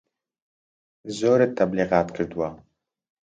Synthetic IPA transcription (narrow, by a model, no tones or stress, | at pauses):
zoːɾɛt̪ʰɐbliːɣɑːt̪kʰɨɾd̪wa